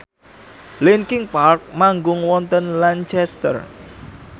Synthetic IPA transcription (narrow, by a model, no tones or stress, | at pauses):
linkɪŋpark̚maŋɡʊŋwɔnt̪ənlant͡ʃɛst̪ə̰r